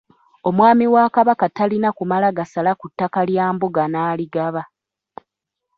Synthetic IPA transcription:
o̞mwaːmiwakaβakatalinakumalaɡasalakutːakaljaːmbuɡanaːliɡaβa

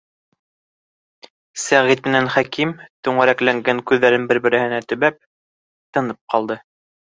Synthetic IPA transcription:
sæʁit̪̚mɘ̆nænχækimt̪ʉɴæɾæklæŋɡæŋkʉðːæɾɘnbɘɾbɘ̆ɾɘ̆hɘ̆næt̪ɵ̆βæp̚ | t̪ɤ̆nɤp̚qɑlˠd̪ɤ

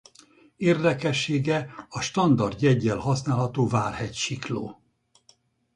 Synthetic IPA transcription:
eːrd̪ɛkɛʃːeːɡɛɒʃt̪ɒnd̪ɒrd̪jɛɟːɛlhɒsnaːlɦɒt̪oːvaːlhɛcʃiklo̰ː

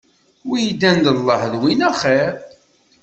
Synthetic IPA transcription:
wjid̪ːænd̪əlˤːəħðwinæχeɾ

